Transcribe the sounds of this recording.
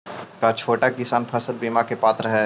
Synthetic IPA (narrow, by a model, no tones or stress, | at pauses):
kat͡ʃʰoːʈakɪsaːnpʰɐsəlbiːmakepaːt̪ɾəɦɛ